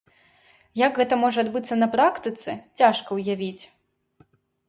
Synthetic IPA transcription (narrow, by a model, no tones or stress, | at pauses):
jɐɡɣɛt̪ɐmɔʐɐad̪bɨt̪sːɐnɐpɾakt̪ɨt̪sɨt͡sʲaʂkɐwjavʲit͡sʲ